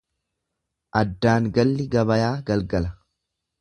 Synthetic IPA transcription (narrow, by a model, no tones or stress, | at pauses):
ʔɐd̪ːaːŋɡɐlːɪɡɐβɐjaːɡɐlɡɐlɐ